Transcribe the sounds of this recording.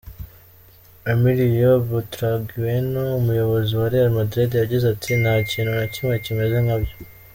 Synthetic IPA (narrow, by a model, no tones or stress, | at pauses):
amiɾijobutuɾaɡiwe̞noumujo̞βo̞ziwaɾiaɾimadɾedijaɟizatʰinhaːciːnunacimŋe̞cime̞ze̞ŋabjo